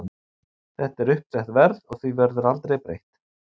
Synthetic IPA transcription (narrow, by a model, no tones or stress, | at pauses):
θɛht̪ɛɾʏhpsɛht̪vɛɾðɔɣθivœɾðʏɾalt̪ɾejpɾḛjht̪